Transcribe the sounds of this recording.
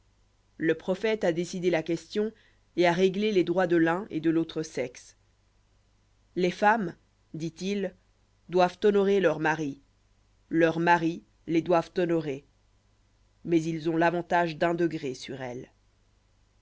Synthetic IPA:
ləpχɔfɛt̪ad̪esid̪elakʲɛst̪jɔ̃ | eaʁeɡleled̪ʁwad̪əlɛ̃ʔed̪əlot̪χəsɛks | lefam | d̪it̪il | d̪wavt̪ɔnɔʁelœʁmaʁi | lœʁmaʁi | led̪wavt̪ɔnɔʁe | mɛzilzɔ̃lavɑ̃t̪aʒd̪ɛ̃d̪əɡʁesyʁɛl

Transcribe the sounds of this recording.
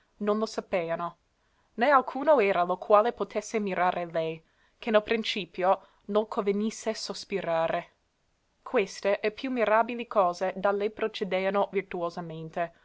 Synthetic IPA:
nonlosapeːano | nealkʰuːnoɛːɾalokʰwaːlepot̪ʰesːemiɾʔaːɾʔelɛj | kenelpɾint͡ʃiːpjo | noŋkʰovenisːesospiɾaːɾe | kʰwest̪eʔɛpjumːiɾaːbilikʰɔːzed̪alejpɾot͡ʃed̪eːanovirt̪uozament̪e

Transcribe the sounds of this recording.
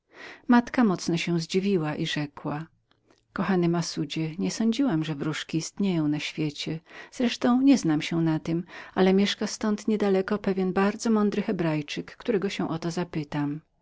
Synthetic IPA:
mat̪kamɔt̪snɔɕɛ̃zd͡ʑivʲiwaʔiʐɛkwa | kɔxanɘmasud͡ʑɛɲɛsɔɲd͡ʑiwamʐɛvɾuʂkʲiːst̪ɲejɔ̃w̃naɕfʲjet͡ɕɛz̥ɾɛʂt̪ɔ̃w̃ɲɛznamɕɛnat̪ɘmalɛmʲjɛʂkast̪ɔnt̪ɲɛd̪alɛkɔpɛvʲjɛnbaɾd̪zɔmɔnd̪ɾɘxɛbɾajt͡ʂɘkːt̪uɾɛɡɔɕɛ̃w̃ʔɔt̪ɔzapɘt̪am

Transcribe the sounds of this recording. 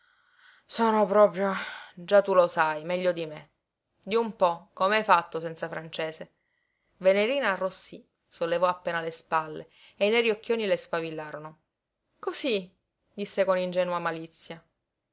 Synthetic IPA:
soːnopɾɔːpɾjod͡ʒat̪ːulosajmɛʎːod̪ime | d̪iumpɔkːomeajfat̪ːosɛnt̪safɾant͡ʃeːse | veneɾiːnaːrːosːi | solːevɔapːeːnalespalːe | ejnɛɾiokːjoːnilespavilːaːɾono | kosi | d̪isːekonind͡ʒɛːnuamalit̪sːja

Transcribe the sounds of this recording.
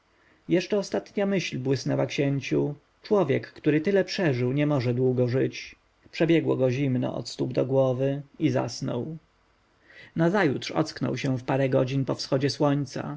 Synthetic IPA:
jɛʂt͡ʂɛɔst̪at̪ɲamɘɕlbwɘsnɛwakɕɛɲt͡ɕu | t͡ʂwɔvʲjɛkːt̪uɾɘt̪ɘlɛpʂɛʐɘwɲɛmɔʐɛd̪wuɡɔʐɘt͡ɕ | pʂɛbʲjɛɡwɔɡɔʑimnɔ̰ʔɔ̰t̪st̪ubd̪ɔɡwɔvɘiza̰snɔ̰w | nazajut̪ʂɔ̰t̪sknɔ̰wɕɛw̃fpaɾɛɡɔd͡ʑinpɔfsxɔd͡ʑɛswɔɲt̪sa̰

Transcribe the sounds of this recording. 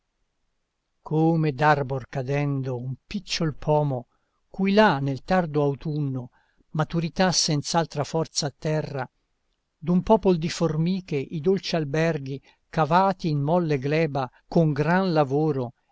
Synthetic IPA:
kʰomed̪arborkad̪ɛnd̪oumpit͡ʃːolpʰɔːmo | kujlanːelt̪ard̪oawt̪unːo | mat̪uɾit̪asːɛnt̪salt̪ɾafɔrt̪saːt̪ːɛrːa | d̪umpɔːpolod̪iformiːkeʔid̪olt͡ʃialbɛrɡi | kavaːt̪iːnmɔlːeɡlɛːba | koŋɡɾanlavoːɾo

